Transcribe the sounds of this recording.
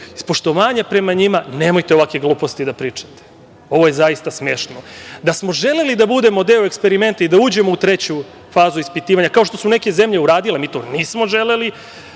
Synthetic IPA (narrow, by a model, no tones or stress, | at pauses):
spo̞ʃt̪o̞ʋaːɲapɾe̞maɲimaneːmo̞jt̪eo̞ʋakʋeɡlˠuːpo̞st̪id̪apɾiːt͡ʂḁt̪e̥ | o̞ʋo̞je̞zaist̪asmeːʃnod̪asmo̞ʒe̞le̞lid̪abud̪e̞mo̞d̪eːoekspe̞ɾime̞nt̪aid̪auːd͡ʑe̞mout̪ɾe̞t͡ɕu | faːzuispit̪iːʋaɲakao̞ʃt̪o̞sune̞ke̞ze̞mʎe̞uɾaːd̪ile̞miːt̪o̞̰niːsmo̞ʒeleli